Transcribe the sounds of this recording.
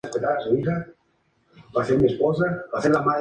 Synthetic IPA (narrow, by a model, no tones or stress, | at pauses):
espet̪aɾasoβit̪a | baseɾmiespozabaθeɾlamað